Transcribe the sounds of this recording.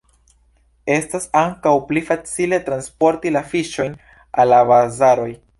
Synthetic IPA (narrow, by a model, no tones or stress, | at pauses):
e̞stasaŋkawplifat͡sile̞tɾanspo̞ɾtilafiʃo̞jn | alːabazaɾo̞j